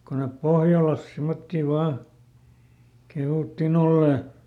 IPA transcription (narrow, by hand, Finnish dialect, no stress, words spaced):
ko nep pohjɑlɑs simːotːiˑ ʋɑː kehuˑtːin olːeˑ